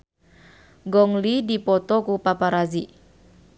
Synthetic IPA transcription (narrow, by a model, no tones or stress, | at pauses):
ɡɔŋlidipɔt̪ɔkupapaɾazi